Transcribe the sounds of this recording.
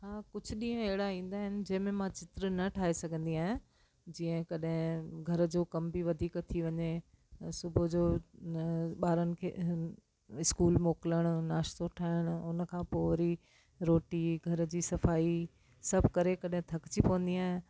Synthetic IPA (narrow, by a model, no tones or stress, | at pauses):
ɦãːkʊd͡ʑʱʊ̆ɗĩːə̃ɦɪɽaĩːn̆d̪aːɦɪnɪ̆d͡ʑɐ̃ɦɪ̃mẽmãt͡ɕɪt̪ɾnɐʈʰaːɦesɐɡʱə̃nd̪iaːɦɪ̃ | d͡ʑĩːə̃kɐɗɦɪ̃ɡʱɐɾd͡ʑoːkɐmbʱiʋɐd̪ʱiːkt̪ʰiʋɐɲe | sʊbʱod͡ʑoː | ɓaːɾənɪ̆kʰe | ɪskuːlmoːkɪləɽ̃ʊnaːʃt̪oʈʰaːɪɽ̃ʊ̆ʊnəkʰãːpoːɾi | ɾoːʈiɡʱɐɾ̆d͡ʑiːsɐfaːi | sɐbʱkɐɾekɐɗɦɪ̃t̪ʰɐkt͡ɕipɐʋə̃nd̪iaːɦɪ̃n